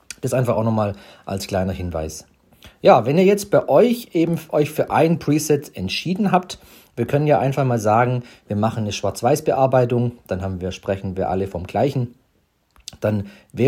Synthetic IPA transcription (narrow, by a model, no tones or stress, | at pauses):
d̥asʔaɪnfaχaʊnɔχmaːl | ʔa̰lskl̥aɪnɐhɪnva̰ɪs | jaːvɛniːɐjɛt͡st̚b̥aɪʔɔʏçʔeːbm̩ʔɔʏçfyːɐʔa̰ɪnənpʁ̥iːsɛtɛntʃiːdn̩ɦaːp̚t | viːɐkʰœnənjaːʔaɪnfaχmaːlzaːɡŋ̩viːɐmaχn̩nəʃv̥aɐt͡sv̥aɪsb̥əʔaɐbaɪtʊŋd̥anɦaːbm̩viːɐʃpʁ̥ɛçn̩viːɐʔa̰ləfɔmɡ̥laɪçn̩ | d̥anvɛː